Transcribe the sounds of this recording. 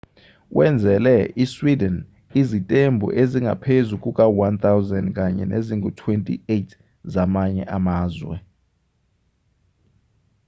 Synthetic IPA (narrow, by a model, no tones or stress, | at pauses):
wʔɛnd͡zʱɛlɛiswidɛn | izitʼembʱṵʔeziŋa̰pʰezukʼukʼawant̪awzɛndkʼaɲɛ̰neziŋutʰwentʼḭetʰ | zamaɲɛ̰ʔamaːzwɛ̰